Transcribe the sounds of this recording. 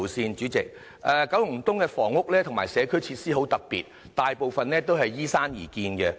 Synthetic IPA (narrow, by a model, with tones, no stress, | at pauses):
wsiː˧nt͡ʃyː˨˥t͡sɪ˨k̚ | ʔɛː˨˧kɐ˨˥wjʊ˨˩ŋt̪ʊ˥ŋkɛ˧fɔː˨˩ŋʊ˥k̚lɛː˥t̪ʰŋmaː˨˩jsɛː˨˧kʰɵ˥jt͡sʰiː˧t̚siː˥ɦo˨˥wt̪ɐ˨k̚pḭː˨t̚ | t̪aː˨jpo˨wfɐ˨nlɛː˥t̪o˥wɦɐ˨jːiː˥saː˥njiː˨˩kiː˧nɡɛ˧